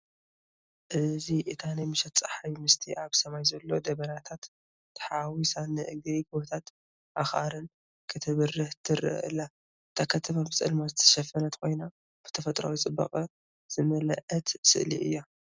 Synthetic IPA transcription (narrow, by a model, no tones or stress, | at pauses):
ʔɨziʔɨt̪ʰanajmɨʃɐt̪t͡sʼaħajmɨst̪ʰiʔaβsɐmajzɐlːo̞d̪ɐβɐnat̪ʰat̪ː | ħawisanɨʔɨɡɐjɡɨβot̪ʰat̪ | ʔaxʔa̰ɾɨn | kʰɨt̪ʰɨβɨrːɨht̪ʰɨɾɨ̰ʔɨ̰lːa | ɨt̪ʰakʰɐt̪ʰɐmabɨt͡sʼɨ̰lmazɨt̪ʰɐ̥ʃɐfɐnɐt̪kʰo̞jna | b̥ɨ̥t̪ʰɐfɐt̪ʼɾa̰wit͡sʼɨbːɐ̰qʼɐ | z̥ɨmɐlɐʔɐt̪sɨ̰ʔlḭʔɨ̰jːa